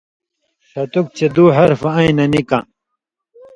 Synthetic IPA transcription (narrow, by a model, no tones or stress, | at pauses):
ʂɐt̪uk̚t͡ɕed̪uːɦɐɾfɐɐ̃ĩnɐnikã̰ː